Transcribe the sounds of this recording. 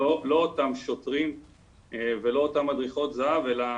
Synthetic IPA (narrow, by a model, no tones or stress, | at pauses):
olo̞ːtamʃo̞tʁim | evelo̞ːtamad̪ʁiχo̞t̪zaave̞la